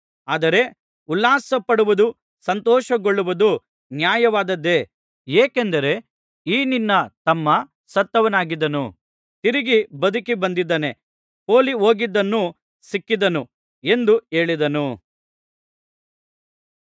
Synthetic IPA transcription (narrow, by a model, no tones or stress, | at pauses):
aːd̪ɐɾe̞ | ulːaːsɐpːɐɽuʋud̪u | sɐnt̪ɔːʃɐɡoɭːuʋud̪u | njaːjɐʋaːd̪ɐd̪ːe̞ | eːkend̪ɐɾe̞ | iːninːɐt̪ɐmːɐ | sɐt̪ːɐʋɐnaːɡid̪ɐnu | t̪iɾiɡibɐd̪ʱukibɐnd̪id̪ːɐne̞ | poːlioːɡid̪ːɐnːu | sikːid̪ɐnu | e̞nd̪ue̞ːɭid̪ɐnu